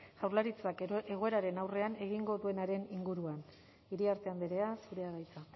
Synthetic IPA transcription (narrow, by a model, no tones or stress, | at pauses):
ʝ̥awɾlaɾit͡sake̞ɣ̞o̞e̞ɾaɾe̞nawre̞ane̞ɣ̞iŋɡo̞ðue̞naɾe̞niŋɡuɾuan | iɾiaɾt̪e̞amd̪eɾe̞asuɾe̞aɣajt͡sa